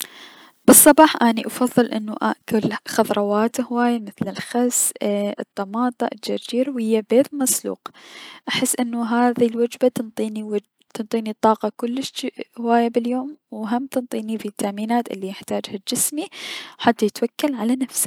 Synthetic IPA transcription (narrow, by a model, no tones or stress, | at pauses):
b̥ɨsˤːɑbɑːħʔaːniʔɑfɑðˤːɨlʔɪnːuʔa̰ʔkʊlxɑðɾˤɑwaːt̪hʊwaːjamɪθlɪlxazɨ̰t̪ˤːɑmɑːt̪ˤɑ̰ʔɪld͡ʒard͡ʒiːɾwhɪjːabeːt̪mɑsˤlṵːqʔaħɪsːʔɪnːuɦaːðilwad͡ʒbat̪ɨnt̪ˤiːniwa | t̪ɨnt̪ˤiːnit̪ˤːɑːqɑkʊlːɪʃhʊwaːjabɪljoːmwɦamt̪ɨnt̪ˤiːnifit̪ːaʔmiːnaːt̪ʔɪ̰lːijɪħt̪aːd͡ʒhad͡ʒɪsmiwħat̪ːajɪt̪wakːalʕalanafsḁ